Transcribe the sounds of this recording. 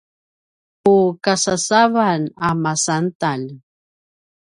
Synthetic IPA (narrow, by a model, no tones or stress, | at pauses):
ukasasavanamasant̪al